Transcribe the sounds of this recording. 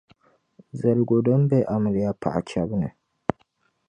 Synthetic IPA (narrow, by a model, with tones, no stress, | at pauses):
zɐ˨lɡo˨do˦mbe˦ʔa˨mə˨li˨ja˦pʰa̰˨ʔa̰˨kʰʲa˦bne˨